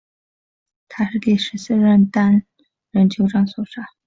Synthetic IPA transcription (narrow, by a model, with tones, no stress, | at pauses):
t̪ʰa˥ʂɻ̩˥˩ke˨˩ɪʂɻ̩˧˥sɹ̩˥˧ɻə˥˩nt̪a˥n | ɻə˧˥nt͡ɕʰjo˧˥ʊʈ͡ʂɑ˥ŋswɔ˨˩ʂa˥˦